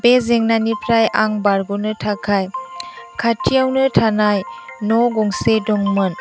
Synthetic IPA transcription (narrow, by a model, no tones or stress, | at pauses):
bezeŋnanipʰɾajaŋbaɾɡɔnɯtʰakʰajkʰatʰijawnɯtʰanajnɔɡɔŋsedɔŋmɯn